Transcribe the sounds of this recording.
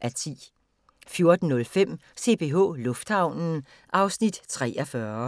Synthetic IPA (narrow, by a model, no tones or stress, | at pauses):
ʔæt͡sʰḭː | fjo̝ɐd̥n̩nːɔ̽lfem̰se̝b̥e̝ɦɔ̰̽lɔ̽fd̥hɑ̈ʊ̰nn̩ | ʔɑ̈ʊsnid̥t͡sʰʁɛ̰ːɐfɶɐ